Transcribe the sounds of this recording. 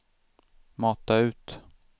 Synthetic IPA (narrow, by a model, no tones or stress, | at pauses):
mɑːt̪aʉ̟ːt̪